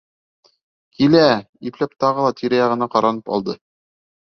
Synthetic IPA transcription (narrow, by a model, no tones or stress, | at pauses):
kʰilæ | iplæpt̪ɑʁɤlˠɑt̪ʰiɾæjɑʁɤ̆nɑqɑɾɑnɤpɑ̰lˠd̪ɤ